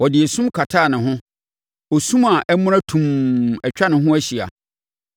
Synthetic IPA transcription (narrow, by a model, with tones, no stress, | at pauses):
wɔ˨dɪ˨e˨sũ˦mkʰa˨tʰaː˦˨nɪ̃˨ɦʊ̃˦ | o˨sũ˦ma˨ʔɛ˦mʊ̃˦ɾ̃ã˦tʰũ˨mɛ˨t͡ɕᶣa˦nɪ̃˨ɦʊ̃˦æ˦ɕi˨a̰˨